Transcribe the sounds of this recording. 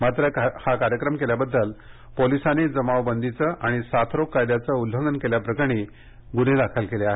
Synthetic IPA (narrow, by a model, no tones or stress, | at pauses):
mat̪ɾəhakaɾjəkɾəmkeljabəd̪ːəl | polisaned͡zəmaʋbənd̪ʱit͡səʔaɽ̃isat̪ʰɾokːajd̪jat͡səulɦəŋɡənkeljapɾəkəɽ̃e | ɡun̤elakʰəlkeleaɦe